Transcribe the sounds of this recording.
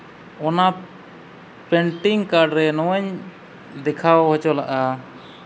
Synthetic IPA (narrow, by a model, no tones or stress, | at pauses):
ɔna | pɛɳʈiŋkaɾɖɾɛnɔwɲ | d̪ɛkʰawhɔt͡ʃɔlaʔa